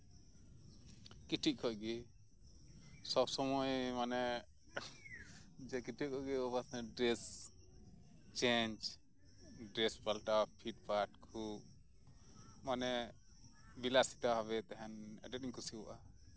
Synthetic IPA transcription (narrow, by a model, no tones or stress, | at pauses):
kiʈʰiʔ̚kʰɔʔɡɛ | sɔbsɔmɔjmanɛ | d͡ʒɛkiʈʰikʰɔɡɛɔbasnɛɖɾɛs | t͡ʃeɲd͡ʒ | ɖɾɛspalʈapʰiʈ̚paʈkʰu | manɛ | bilasi̥t̪aɦɔβɛt̪ɛɦɛnɛ̰ɖɛt̚iɲkusiwɔ̰ʔa